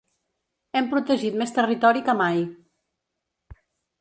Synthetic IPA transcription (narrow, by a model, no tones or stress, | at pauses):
ɛmpɾut̪əʒit̪̚mest̪ərit̪ɔɾikəmaj